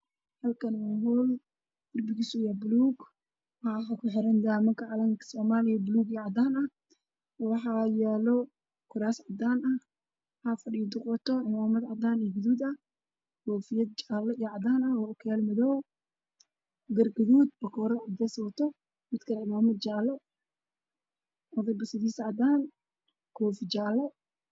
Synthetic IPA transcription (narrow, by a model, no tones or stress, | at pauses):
hɐlkʰɐnɔmɔl | ɡʊrbɪɣisʊjɐbʊluːɡ | wɑħɑɦɐkʰʊħɪɾɐnd̪aːmɐŋkʰɐʕɑlɐŋkʰsɔːmaːlɪjɐbʊluːɡiʕɑd̪aːnɐ | wɑħɑjɛːlɔ | kʰʊɾaːsʕɑd̪aːnɐ | hɐfɐrid̪ʊqwɔt̪ʰɔʕɪmaːmɐd̪ʕɑd̪aːniɡʊðuːd̪ɐ | kʰɔːfɪjɐd̪̚t͡ʃaːlɔijʕɑd̪aːnɐwɔkʰɛlmɐðɔw | ɡɐrɡɐðuːd̪bɐkʰɔːɾɔʕɑd̪ɛsɔt̪ʰɔ | mɪd̪kʰɐlʕɪmaːmɐd̪̚t͡ʃaːlɔ | ʔɔðɐbɐsɐðiːsɐʕɑd̪aːn | kʰɔːft͡ʃaːlɔ